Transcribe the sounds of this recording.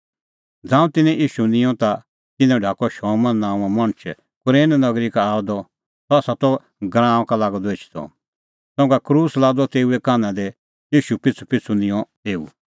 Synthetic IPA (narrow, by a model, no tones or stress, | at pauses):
d͡zãːũt̪ɪnɛ̃jʔiːʃunɪ̃jɔ̃t̪a | t̪ɪ̃nɛ̃ɖʱaːkɔʃɔːmɐnnãːũãmɐ̃ñt͡ʃʰ | kʊɾẽːnnɐɡɾikaaːd̪ɔ | t̪ɔɐsat̪ɔ | ɡɾãːɔ̃kalaːɡɔd̪eːt͡ʃʰi̥t̪ɔ̰ | sɔ̃kakɾuːslaːd̪ɔt̪eːuekaːnãd̪ɛ | jiːʃupɪt͡sʰupɪt͡sʰunɪ̃jɔ̃ | eːṵ